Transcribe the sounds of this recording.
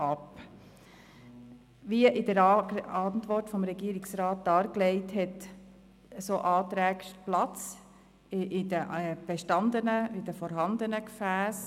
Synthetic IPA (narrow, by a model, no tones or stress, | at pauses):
ɑp | ʋiəʔɪdəɾɑntʋɔrtfɔmɾɛɡiəɾɪksɾɑːt̚d̥ɑːɾklɛɪthɛt | əsoʔɑːt̪ɾæːɡʃplɑt͡s | ʔɪdəɛb̥ɛʃtɑnd̪ənəɪdəfɔɾɦɑnd̪ənəkfæːs